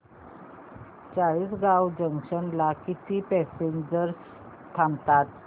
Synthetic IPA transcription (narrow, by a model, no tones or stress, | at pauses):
t͡saɭiːsɡawd͡ʑəŋɕənlakit̪ʰiːpɛsind͡zəɾ | t̪ʰamt̪at̪̚